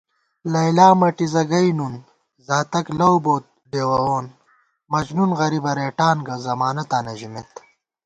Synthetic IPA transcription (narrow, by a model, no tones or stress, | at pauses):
lɐjlaːmɐʈizɐɡɐjnun | zaːt̪ɐklɐwboːt̪̚ɖeːwɐwoːn | mɐd͡ʑnunɣɐɾibɐɾeːʈaːnɡɐzɐmaːnɐt̪aːnɐʑimet̪